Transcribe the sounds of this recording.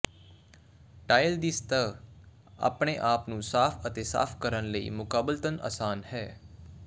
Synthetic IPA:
ʈaːɪld̪ist̪ə | a̰ːpɳeʔaːpnũːsaːpʰət̪eːsa̰ːfʰkəɾənləḭːmʊkaːblt̪əna̰ːsaːnhɛː

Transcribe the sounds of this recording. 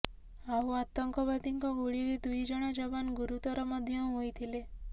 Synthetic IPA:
aɦuat̪ɔŋkɔbad̪iŋkɔɡuɭiɾid̪ujd͡ʒɔɽ̃ɔd͡ʒɔbanɡuɾut̪ɔɾɔmɔd̪ʱjɔɦojt̪ʰile

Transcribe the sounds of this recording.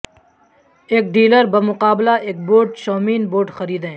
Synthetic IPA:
eːk̚ɖiːləɾbəmʊqaːblaʔeːk̚boːʈʃɔːmiːnboːɾʈxɐɾiːd̪ɦẽː

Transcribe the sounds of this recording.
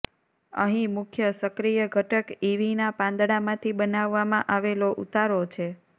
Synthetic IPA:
ə̰ɦĩmʊkʰjəsəkɾijəɡʱəʈəkiʋinapãnd̪ɽamãt̪ʰibənaʋːamãʔaʋeloʔut̪aɾot͡ʃʰe

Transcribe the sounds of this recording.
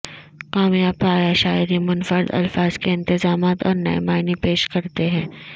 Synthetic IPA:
qaːmijaːb̚paːjaʃaːɪɾimʊnfəɾd̪ɐ̰lfaːz̥keɪ̃nt̪ɪzaːmaːt̪ɔːɾnɐ̰ḛmaːɪnipeːʃkɐɾt̪eɦɛ̃ː

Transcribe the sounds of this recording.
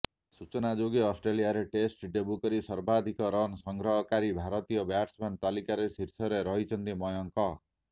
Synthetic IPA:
sut͡sʌnad͡zoɡiʌsʈɾelijaɾeʈesʈɖebukʌɾisʌɾbad̪ʱikɔɾʌnsʌŋɡɾʌɦʌkaɾibʱaɾʌt̪ijʌbʱjaʈsmant̪alikaɾesiɾsʌɾeɾʌɦit͡sʰʌnt̪imʌjɔŋkʌ

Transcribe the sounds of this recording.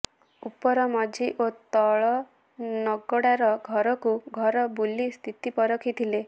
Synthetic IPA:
upːɔɾɔmɔd͡ʒiʔot̪ɔɭɔ | nɔɡɔɽaɾɔɡʱɔɾɔkuɡʱɔɾɔbulːist̪ʰit̪ipɔɾɔkʰit̪ʰile

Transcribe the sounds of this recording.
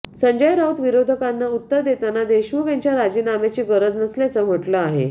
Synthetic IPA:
səɲd͡ʑəjɾaut̪ʋiɾod̪ʱəkanːaut̪ːəɾd̪et̪anad̪eɕmuɡeɲt͡ɕjaɾad͡ʑinamet͡ɕiːɡəɾəd͡znəsljat͡səm̤əʈləaɦḛ

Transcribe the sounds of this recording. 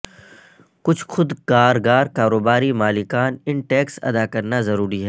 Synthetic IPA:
kʊt͡ʃʰxʊd̪kaːɾɡaːɾkaːɾoːbaːɾimaːlɪkaːnɪɳʈɛːksɐ̰d̪aːkɐɾnazɐɾuːɾiɦɛ

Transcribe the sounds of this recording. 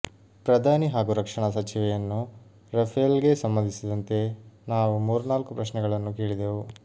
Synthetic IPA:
pɾɐd̪ʱaːniɦaːɡuɾɐkʂɐɳɐsɐt͡ʃiʋɛjɐnːu | ɾɐpʰɐlɡe̞sɐmbɐnd̪ʱisid̪ɐnt̪e̞naːʋumuːɾnaːlkupɾɐʃnɛɡɐɭɐnːukeːɭid̪eːʋu

